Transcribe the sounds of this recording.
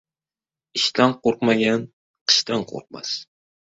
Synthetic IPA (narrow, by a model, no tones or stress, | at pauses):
ɪʃt̪anqoɾqmaɡʲan | qʰɨ̥ʃt̪ʰanqʰo̰ɾq̚ma̰s